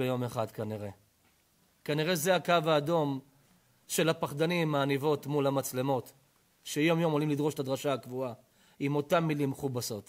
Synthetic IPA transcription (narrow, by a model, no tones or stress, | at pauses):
ejo̞me̞χadkaniʁe̞ | kaniʁe̞zeakavaːdo̞m | ʃe̞lhapaχdanimaːnivo̞tmulamat͡slemo̞t | ʃe̞jo̞mjo̞mo̞limlidʁo̞ʃetad̪ʁaʃaakvua | imo̞tamːilimːeχubaso̞t